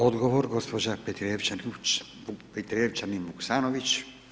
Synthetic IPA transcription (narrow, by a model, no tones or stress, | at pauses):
od̪ɡoʋoɾɡospod͡ʒapet̪ɾeʋt͡ʃant͡ʃ | upet̪ɾeʋt͡ʃanibuksaːnoʋit͡ʃ